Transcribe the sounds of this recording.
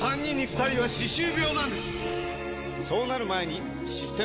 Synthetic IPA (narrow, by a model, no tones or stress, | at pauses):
ãɲʲːĩɲ̟ːiɸɯ̥t̪aɾʲiβaɕiɕɨːbʲjo̞ːnãnd̪e̞sɨ̥ | so̞ːnaɾɯ̟mae̞ɲ̟i | ɕisɨ̥t̪e̞